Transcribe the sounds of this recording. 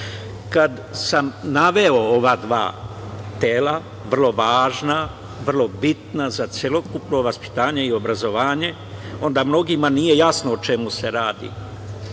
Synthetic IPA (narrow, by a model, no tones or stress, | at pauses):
kad̪ | samnaʋe̞o̞oʋad̪ʋa̰ːt̪eːla | ʋr̩lˠo̞ʋaːʒna | ʋr̩lˠo̞bit̪nazat̪sje̞lˠo̞kupno̞ʋaspi̥t̪aːɲe̞io̞bɾazo̞ʋaːɲe̞ | o̞nd̪amno̞ɡimanije̞jasnoot͡ʃe̞muse̞ɾaːd̪ḭ